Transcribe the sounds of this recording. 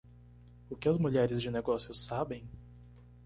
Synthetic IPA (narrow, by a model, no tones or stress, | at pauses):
ʊkɪɐzmuʎɛɾɪzd͡ʒɪneɡɔsjʊsabẽj̃